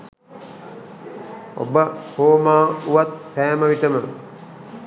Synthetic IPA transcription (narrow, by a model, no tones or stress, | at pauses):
o̰bəhoːmaːuʋat̪̚pæːməʋiʈəmə